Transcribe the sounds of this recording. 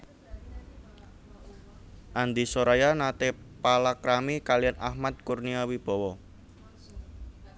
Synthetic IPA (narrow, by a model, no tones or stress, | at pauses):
ʔand̪isoɾajanat̪e | palakɾamikalijana̰hmat̪̚kurniawib̥ɔ̤wɔ